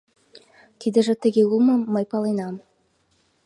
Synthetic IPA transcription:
t̪id̪ə̆ʒɘ̆t̪ə̆ɣʲeulˠmɤ̆ːə̆jpɑlˠɑjnɑm

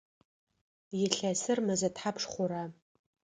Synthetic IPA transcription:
jɪɬɐsɨrmɐzɐtħapʰʂχʷʊɾa

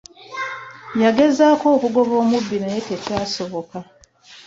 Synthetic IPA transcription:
jaɡe̞zaːko̞ːkuɡo̞βo̞ːmubːinajetetaːso̞βo̞ka

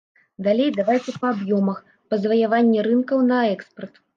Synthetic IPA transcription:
d̪alʲejd̪avajt̪sʲɐpɐabjɔmɐx | pɐzvɐjavanʲːɛɾɨnkɐwnɐɛkspɐrt̪

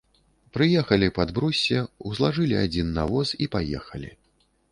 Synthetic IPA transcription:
pɾɨjɛxɐlʲipɐd̪bɾusʲːɛwzlˠaʐɨlʲia̰d͡zʲinːavɔsipajɛ̰xɐlʲḭ

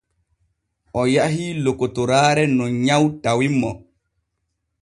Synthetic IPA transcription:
ʔɔjaɦilokotɔɾaːɾɛnɔɲawdawimːɔ

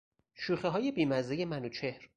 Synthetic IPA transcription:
ʃuːχeɦɒːje̞biːmæzejemænut͡ʃʰehɾ

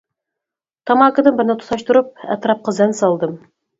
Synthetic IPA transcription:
t̪ɑmɑkɤ̆d̪ɤmbɪɾnɘt̪ʰu̥sɑʃt̪ŭɾɤp̚æ̰t̪ɾɑp̚qɤzænsɑlˠd̪ɤm

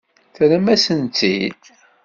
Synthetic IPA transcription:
θɾəmæsənt̪ḭd̪

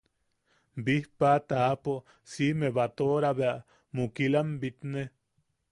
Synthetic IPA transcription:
bihpat̪aːpo | simeβat̪oɾaβeaʔ | mukilambit̪ne

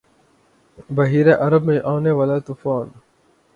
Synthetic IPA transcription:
bɐɦiːɾeʔɐɾɐbmẽʔaːneʋɐlaːt̪ufaːn

